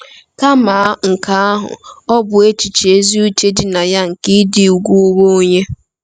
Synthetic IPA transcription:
ka˦ma˨˦ŋ̩˨ka˨˦a˦ɦʊ̰˨ɔ˦bʊ˨e˦t͡ʃi˨t͡ʃe˨˦zi˦u˦t͡ʃe˦dɪ˨na˨ja˦ŋ̩˨ki˦dɪ˨u˨ɡʷu˦wo˦o˦ɲe˦

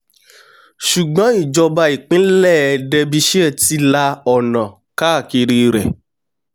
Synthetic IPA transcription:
ʃu˨ɡ͡bɔ̃˨˦i˦˨d͡ʒɔ˧ba˧i˨k͡pĩ˨˦lɛ˦˨ɛ˧dɛ˧bi˧ʃi˦ɛ˦˨ti˦la˧ɔ˨nã˨ | ka˦˨ki˧ɾi˧ɾɛ̰˨

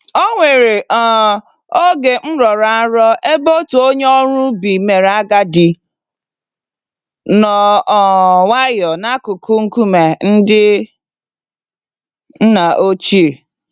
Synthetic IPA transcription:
o˦ŋʷe˨ɾe˨ʔɔ˨ | o˦ɡe˨m̩˦ɾɔ˨ɾa˨a˦ɾɔ˦e˦bo˦tu˨o˦ɲe˦ɔ˦ɾʊ˦bi˨me˨ɾa˦ɡa˦di˨ | nɔ˨ɔ˨wa˦jɔ˨na˦kʊ˨kʊ˦ŋ̩˦ku˦me˨n̩˦dɪ˦ | n̩˦na˨ʔo˦t͡ʃi˦e˨

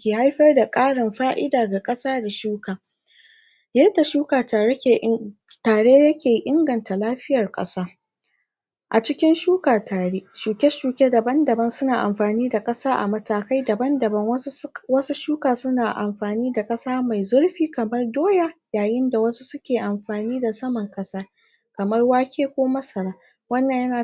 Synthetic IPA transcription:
kʲeː˨ha˦jɸɐ˦rda˨kʼaː˦ɽɪ˨mɸaː˦ʔɪ˦daː˨ɡa˨kʼɐ˦saː˦da˨ʃuː˦kaː˨ | jɐ˦rda˨ʃuː˦kaː˨tːtaː˨ɽe˦jɐ˦kʲeː˨˦ʔɪ˦ŋɡɐ˨nta˨laː˦ɸɪ˦jɐ˨rkʼɐ̰˦saː˦ | ʔa˨t͡ʃɪ˦kʲɪ˦nʃuː˦kaː˨tʰaː˨ɽe˦ʃuː˨kʲɛ˦ʃuː˨kʲe˦dɐ˨bɐ˦ndɐ˨bɐ˦nsʊ˦naː˨ʔa˨mɸaː˨niː˦da˨kʼɐ˦saː˦ʔa̰˨mɐ˦taː˦ka˦jdɐ˨bɐ˦ndɐ˨bɐ˦ŋwɐ˦wɐ˦su˦ʃuː˦kaː˨sʊ˦naː˨ʔa̰˨mɸaː˨niː˦da˨kʼɐ˦saː˦ma˨jzʊ˦ɽɸiː˦kɐ˨mɐ˦rdoː˦ja˨jaː˨jɪ˦nda˨wɐ˦su˦sʊ˦kʲeː˨ʔa˨mɸaː˨niː˦da˨sɐ˦mɐ˨ŋkʼɐ˦saː˦ | kɐ˨mɐ˦rwaː˦kʲeː˦kʷoː˦mɐ˦sɐ˨ɽaː˦ | wɐ˦nːɐ˨ɲjɐ˦naː˨

